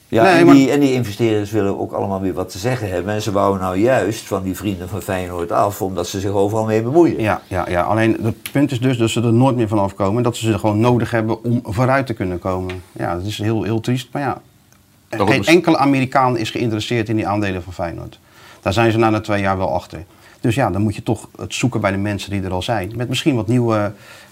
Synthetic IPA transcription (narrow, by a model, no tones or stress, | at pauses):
janemaiɛndiɪnvəstɪːrɪəsʋɪləno̰wkɑ̰ləmaːlˠʋɪːɹʋɑtəzɛχənɦɛbəɛnzəʋɑwənːɔwjœɥstfɑndivrindənvɑnfɛjnoɹtɑ̰fɔmdɑtsəzɪxowvərɑlˠmɪːbəmujəjaja̰ja̰ʔa̰lejndəpʏntɪszdøsdɔtsədənoːjtmɪːɹvɔnɑfkowməndɔtsəəχəʋoːnːowdəχɦɛbəʔɔmvoːɾœɥtəkɵnəkowmənja̰dɔtɪsɦɪːlˠɦɪːlˠtristmaɹja | eːnɛŋkələʔaːmiːrikaːnɪ̰sχəɪntərəsɪːɹtɪndiʔaːndejlənvɑnfɛjno̰ɹt | d̥aːɹzɛjnzənaːnatʋejaːɹʋɛlˠɑ̰xtəɹ | d̥øsjadɔnmutjətɔχətsukənbɛjdəmɛnsəndidəɾɑlˠzɛjnmɛt̚mɪsχinʋɔtniwə